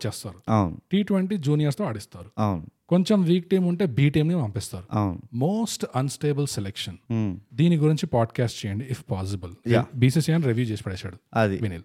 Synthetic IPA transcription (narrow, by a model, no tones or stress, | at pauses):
t͡ʃeːst̪aːɾuawnuʈiːʈʋeɳʈiːd͡ʒuːnijɐɾst̪o̞ːɐɽist̪aːɾuawnuko̞ɲt͡ʃemʋiːk̚ʈijmuɳʈe̞ːbiːʈiːmnipɐmpiːst̪aːɾuawnmoːsʈɐnsʈeːbɐlselekʂɐnd̪iːniɡuɾiɲt͡ʃipaːɖkaːsʈt͡ʃejɐɳɖiːpʰpaːs̬ibɐlabiːsisaːnɾeʋjuːd͡ʒeːsi̥pɐɽɛːsaːɽuɐd̪iʋinil